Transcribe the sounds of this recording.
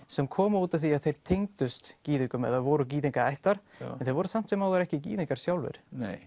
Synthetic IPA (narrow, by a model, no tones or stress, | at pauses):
sɛmkʰɔːmʏuːt̪ḁθiaðθejɾ̥t̪ʰejŋt̪ʏst̪ciːðʏŋkʏmɛ̰ðaðvɔɾʏciːðɪŋkaɾajht̪aɾ̥ɛnθejɾvɔːɾʏsam̥t̪sɪmawðʏɾɛhcɪcḭːðɪŋkaɾ̥sjawlvɪ̰ɾ̥nej